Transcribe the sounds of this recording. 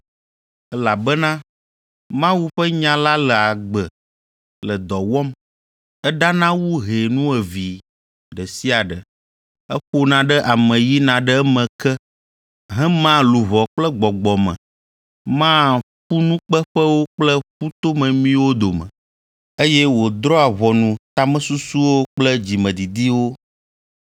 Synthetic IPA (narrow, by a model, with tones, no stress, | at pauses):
ɛ˦la˨bɛ˦nã˦ | mã˦wu˦ɸə˦ɲã˦la˦lə˨a˨ɡ͡bə˨ | lə˨d̪ɔ˨wɔ˦m | ɛ˦ɖa˦nã˦wu˦ɦe˨nũ˦ɛ˨vi˨ | ɖə˨si˦a˨ɖə˨ | ɛ˦ɸo˦nã˨ɖə˦ʔa˨mɛ̃˨ji˦nã˨ɖə˦mɛ̃˨kɛ˦ | ɦɛ̃˦mã˦lu˨βɔ˨k͡plə˦ɡ͡bɔ˨ɡ͡bɔ˨mɛ̰̃˨ | mã˦ | ɸu˦nũ˦k͡pə˦ɸə˦wo˦k͡plə˦ɸu˦t̪o˦mɛ̃˨mĩ˦wo˦d̪o˨mɛ̰̃˨ | e˦jɛ˦wo˨d̪ɾɔ˦a˨βɔ˨nũ˨t̪a˦mɛ̃˦su˦su˦wo˦k͡plə˦d͡ʑi˨mɛ̃˨d̪i˨d̪i˦wo˦